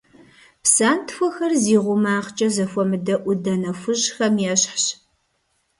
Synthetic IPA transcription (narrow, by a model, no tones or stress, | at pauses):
psaːntʰfʷɔxɐrziːʁʷʊmaːχt͡ʃʼɐzɐfʷɔmɨdɐʔʷʊdɐnɐfʷʊʑxɐmjɛɕħɕ